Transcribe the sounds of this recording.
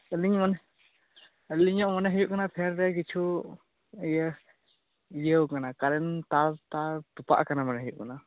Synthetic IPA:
əliɲmanɛ | əliɲɔʔmanɛɦəjuʔkanapʰɛɾɾɛkit͡ʃʰu | əjə | ijəwkanakaɾɛnt̪aɾt̪aɾt̪upa̰ʔkanamanɛɦəjṵʔkana

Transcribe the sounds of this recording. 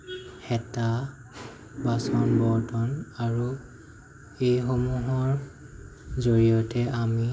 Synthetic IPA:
hɛta | basɔnbɔɹtɔnaɹu | ejxomuɦɔɹ | zoɹiɔtɛʔami

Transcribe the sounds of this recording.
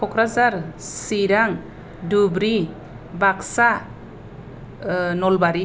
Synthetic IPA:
kʰɔkʰɾazaɾsiɾaŋ | dubɾi | baksa | nɔlbaɾi

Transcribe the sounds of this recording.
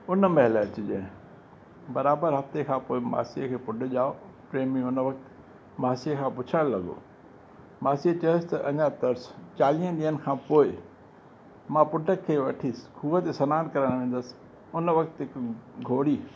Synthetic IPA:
ʊnəmɐɦɪləɐt͡ɕɪd͡ʑɐ̃ɦɪ̃ | bɐɾaːbəɾɦɐft̪ekʰãːpoːɪma̰ːsijəkʰeːpʊɖə̆ʄaːopɾeːmĩʊnʋɐk̚t̪ɪ̥ | maːsiekʰãːpʊt͡ɕʰəɽ̃lɐɠo̰ː | maːsiət͡ɕɐə̃st̪ɐʔɐ̃ɲat̪ɐɾst͡ɕaːliə̃ɗiːənɪ̆kʰãːpoːɪ | mãpʊʈəkʰːeːʋɐʈʰiːsɪ̥kʰuʋət̪esɐnaːnkɐɾəɽ̃ʋẽːn̆d̪əsɪ̥ | ʊnəʋɐkt̪ɦɪkɡʱoːɽiː

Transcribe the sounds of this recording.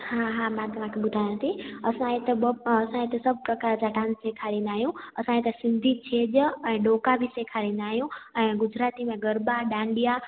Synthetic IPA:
hãɦãmãt̪ɐʋ̤ãkʰebʊd̪ʱaːjãt̪ʰiɐsãet̪ebɐsãet̪esɐb̚ʱpɾɐkaːɾt͡ɕaʈãːnsseːkʰaːɾĩːn̆d̪aːɦijũɐsãet̪ɐsɪ̃nd̪ʱit͡ɕʰeːd͡ʑɛ̃ːɖoːkabʱiseːkʰaːɾĩːnd̪aːɦijũɛ̃ːɡʊd͡ʑɾaːt̪imẽɡəɾbaɗãːɳɖija

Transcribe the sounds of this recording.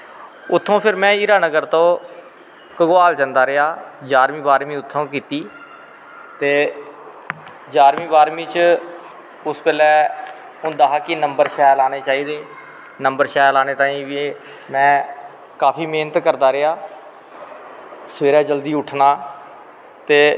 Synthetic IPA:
ʊt̪ʰːõːpʰɪɾmɛ̃ːɪːɾaːnəɡəɾt̪õː | kəɡʊaːld͡ʒənd̪aːɾɪɦaːd͡ʒaːɾmĩːbaːɾmĩːʊt̪ʰːõːkiːt̪iː | t̪eː | d͡ʒaːɾmĩːbaːɾmĩːt͡ʃ | ʊspɛːlɛː | ɦʊnd̪aɦaːkinəmbəɾʃɛːlaːneːt͡ʃaːiːd̪eː | nəmbəɾʃɛːlaːneːt̪ãːĩːʋi | mɛ̃ː | kaːpʰiːmeːnət̪kəɾd̪aːɾɪaː | səʋeːɾɛːd͡ʒəld̪iːʊʈʰnaː | t̪eː

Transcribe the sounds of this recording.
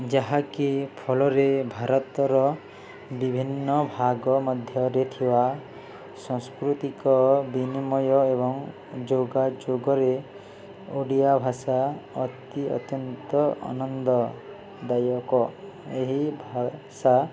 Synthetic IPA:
d͡ʒaɦakipʰɔlɔɾebʱaɾɔt̪ɔɾɔ | bibʱinːɔbʱaɡɔmɔd̪ʱjɔɾet̪ʰiwa | sɔ̃ŋskɾut̪ikɔbinimɔjɔebɔŋ | d͡ʒoɡad͡ʒoɡɔɾe | oɽijabʱasaɔt̪iɔ̰t̪jɔnt̪ɔa̰nɔnd̪ɔ | d̪ajɔkɔ | eɦibʱasa

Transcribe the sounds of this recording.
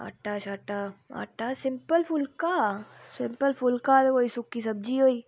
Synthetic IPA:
a̰ʈat͡ʃaːʈaa̰ʈasɪ̃mpəlpʰʊlkasɪmpəlfʊlkat̪ekoːisʊkːisɐb̚d͡ʒiɦoːiː

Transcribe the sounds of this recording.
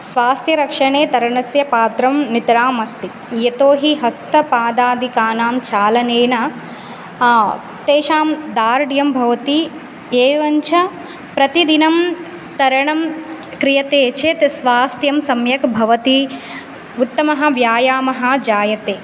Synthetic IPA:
sʋaːst̪jɐɾɐkʂɐɳeːt̪ɐɾɐɳɐsjɐpaːt̪ɾɐmnit̪ɐɾaːmɐst̪i | jet̪oːɦiɦɐst̪ɐpaːd̪aːd̪ʱikaːnaːmt͡ʃaːlɐneːɳɐ | t̪eːʃaːmd̪aːɾɖjɐmbʱɐʋɐt̪i | eːʋɐɲt͡ʃʰɐ | pɾɐt̪id̪inɐm | t̪ɐɾɐɳɐmkɾijɐt̪eːt͡ʃʰeːt̪sʋaːst̪ʰjɐmsɐmjɐkbʱɐʋɐt̪i | ut̪ːɐmɐɦɐ̆ʋjaːjaːmɐɦɐ̆d͡ʒaːjɐt̪eː

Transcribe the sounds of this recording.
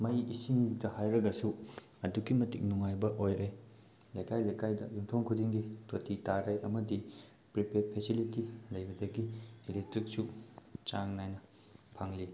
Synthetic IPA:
mɐjisiŋdɐhajɾɐɡɐsu | ɐduɡimɐtik̚nuŋajbɐʔojɾʔej | lɐjkajlɐjkajdɐ̰jumtʰoŋkʰudiŋɡitʰotitaɾɐjʔɐmɐdi | pɾipʰeɾpʰesilitilɐjbɐdɐɡiːlek̚tɾik̚sut͡ʃaŋnajnɐ | pʰaŋli

